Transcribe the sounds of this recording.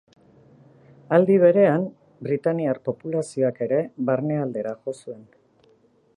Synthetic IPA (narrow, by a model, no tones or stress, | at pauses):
ald̪iβ̞e̞ɾe̞am | bɾit̪aniarpo̞pulasio̞ake̞ɾe̞βarne̞ald̪e̞ɾaʝo̞sue̞n